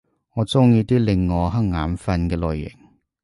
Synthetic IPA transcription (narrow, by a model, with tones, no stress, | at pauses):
ŋɔː˨˧t͡sʊ˥ŋjiː˧t̪iː˥lɪ˨ŋːɔː˨˧ɦɐ˥ŋ̚ŋaː˨˥mfɐ˧nkɛː˧lɔ̰ː˨jːɪ̰˨˩ŋ